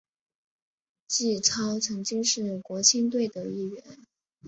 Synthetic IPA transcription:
t͡ɕi˥˩ʈ͡ʂʰɑ˥ʊt͡sʰɤ˧˥ŋt͡ɕi˥ŋʂɻ̩˥˩kwɔ˧˥t͡ɕʰi˥nt̪̬we˥˩ɪd̪ə˩i˥˩ɥɛ˧˥n

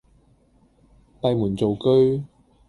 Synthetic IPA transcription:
pɐ˨˧jmuː˨˩nt͡so˨wkɵ˥ɥ

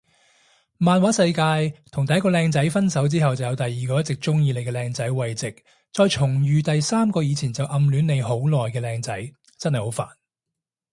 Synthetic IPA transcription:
maː˧nwaː˨˥sɐ˧jkaː˧jt̪ʰʊ˨˩ŋt̪ɐ˨jːɐ˥kɔ˧lɛː˧ŋt͡sɐ˨˥jfɐ˥nsɐ˨˥wt͡siː˥ɦɐ˨wt͡sɐ˨˩wjɐ˨˧wt̪ɐ˨jːiː˨kɔː˧jɐ˥tt͡sɪ˨k̚t͡sʊ˥ŋjiː˧le˨˧kɛː˧lɛː˧ŋt͡sɐ˨˥jwɐ˨jt͡sɪ˨k̚ | t͡sɔː˧jt͡ʃʰʊ˨˩ŋjyː˨t̪ɐ˨jsaː˥mkɔː˧jiː˨˧t͡sʰiː˨˩nt͡sɐ˨wʔɐ˨˧mlyː˨˥nːe˨˧jɦo˨˥wlɔː˨jkɛː˧lɛː˧ŋt͡sɐ˨˥j | t͡sɐ˥nhɐ˨jho˨˥wfa̰ː˨˩n

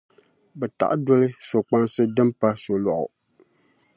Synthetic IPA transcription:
bɛ˨ta̰˨ʔdɔ˦lɨ˦so˨k͡pa˦nsɨ˦dɨ˦mpa˦so˨lɔ˨ʔʊ̰˨

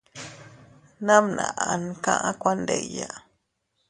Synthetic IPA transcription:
na˦mna˨ʔa˨nkã̰˦ʔa˦kʷa˦nd̪e˨ja˨

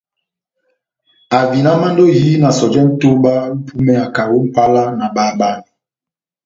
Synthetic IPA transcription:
a˨vi˨na˦ma˦ndo˦ɦi˦na˨sɔ˨d͡ʒɛ˦n̩˦to˦ɓa˦m̩˦pʰu˦mɛ˦a˨ka˨wo˦m̩˦pa˦la˦na˨ɓaː˦ba˦ni˨

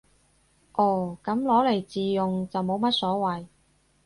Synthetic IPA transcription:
ʔɔː˨˩kɐ˨˥mlɔː˨˥le˨˩jt͡siː˨jʊ˨ŋt͡sɐ˨wmo˨˧˥wmɐ˥t̚sɔː˨˥wɐ˨j

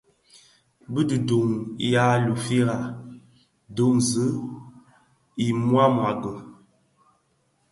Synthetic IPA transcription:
bə˦də˨do˨ŋ˨ja˦lu˨fi˦ɾa˨ | do˨˦ŋzə˦ | i˨mwa˦mwa˨ɡə˨

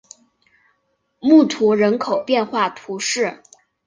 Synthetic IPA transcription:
mu˥˩t̪ʰu˧˥ɻə˧˥nkʰo˨˩ʊpjɛ˥˧nxwa˥˩t̪ʰu˧˥ʂɻ̩˥˩

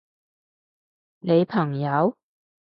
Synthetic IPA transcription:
ne˨˧jpʰɐ˨˩ŋjɐ˨˧w

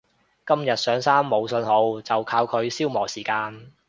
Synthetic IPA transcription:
kɐ˥mjɐ˨t̚sœː˨˥ŋsaː˥mːo˨˧wsɵ˧nho˨˥wt͡sɐ˨wkʰaː˧wkʰɵ˨˧ɥsiː˥wmɔː˨˩siː˨˩kaː˧n

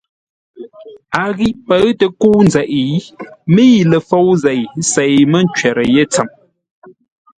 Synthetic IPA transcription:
a˨ɣi˦ʔpə˦ɰtə˨ku˦nd͡zɛ˨ʔmi˦jlə˨fo˦˨wze˨jse˨jmə˦n˦t͡ʃɥɛ˨ɾə˨je˦t͡sə˨m

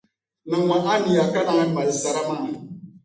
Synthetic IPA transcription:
nã˨wã˨ʔa˦ni˨ja˨ka˦nã˨˦ma˨lsa˨ɾa˦mã˦˨

